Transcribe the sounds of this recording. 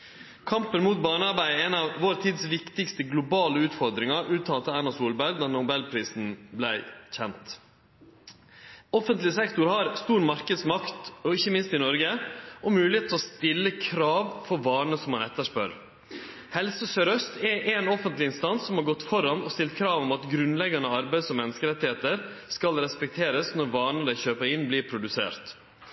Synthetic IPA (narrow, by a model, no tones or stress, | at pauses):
kʰɑmpənmuːt̪̚bɑːnəɑɾbæɪɛnɑʋʋoːɾt̪ʰiːd̪sʋɪkt̪ɪkst̪əɡlʊbɑːləʉːt̪fɔɾd̪ɾɪŋɑʔʉːt̪ʰɑːlt̪ɑɑnɑsuːlbæɾɡ̚d̪ɑːnʊbɛlpʰɾiːsn̩blæɪçɛnt̪ | ɔfənt̪lɪsɛkt̪ʊɾhɑɾst̪uːɾmɑɾkəd̪smɑkt̪ɔɪçːəmɪnst̪ɪnɔɾɡəʔɔmʉːlɪheːt̪ʰɔst̪ɪlːəkʰɾɑːʋfɔɾʋɑːɳəsɔmhɑnɛt̪ːəʂpœɾ | hɛlsəsœɾœst̪ɛʔɛnɔfənt̪lɪɪnst̪ɑnsːɔmhɑɾɡɔt̪ːfɔɾɑnɔst̪ɪlt̪̚kʰɾɑːʋɔmɑt̪ɡɾʉnlɛɡɑnəɑɾbæɪd̪sɔmɛnːəskəɾɛt̪ːɪheːt̪əɾ | skɑlɾɛspɛk̚t̪ʰeːɾəsnɔɾʋɑːɳəd̪æɪçøːpəɾɪnbliːɾpʰɾʊd̪ʉsḛːɾt̪